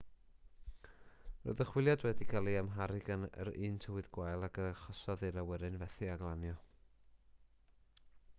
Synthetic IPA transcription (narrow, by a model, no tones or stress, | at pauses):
ro̰ːðəχwɪlˠjadwɛdikʰalˠiamɦaɾɪɡənə̰ɾiːntʰəwɨðɡwajlˠaɡəχɔsɔðeɾawɛɾɨnvɛθiaɡlˠanjɔ